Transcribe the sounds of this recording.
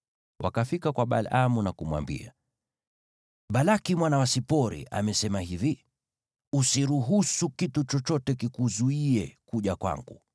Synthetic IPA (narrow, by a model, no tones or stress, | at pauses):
wʔa̰kafikakwaɓa̰lamunakumwa̰mbḭa̰ | ɓalakimwanawasipɔɾḭʔa̰mɛsɛmahivi | usiɾuɦusukitut͡ʃɔt͡ʃɔtɛkikuzuiɛkuʄakwa̰ŋɡṵ